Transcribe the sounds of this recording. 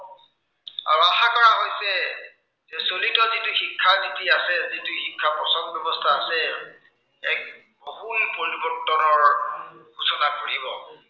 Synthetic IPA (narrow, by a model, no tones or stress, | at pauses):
a̰ɹuaɦakɔɹaɦojsɛ | zɛsolitɔzitʊxikʰːazitiasɛzituxikʰːapɔsɔnbjɔbɔstʰaːsɛ | ɛk̚ | bohunpoɹibɔtɔnɔɹɡʱusɔnakoɹibɔ